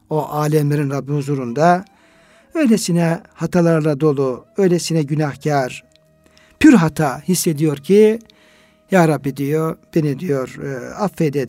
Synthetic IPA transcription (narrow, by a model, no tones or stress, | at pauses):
o̞ʔaːlʲɛmlʲeɾinɾabːihuzuɾund̪a | ø̞jlesinɛhat̪ʰalˠaɾlˠad̪o̞lˠuø̞jlʲesinɛɟynahcʰaɾ | pʰyɾɦat̪ʰahisːe̞d̪ijo̞ɾcʰi | jaːɾabːid̪ijob̥enid̪ijo̞ɾafed̪ɛ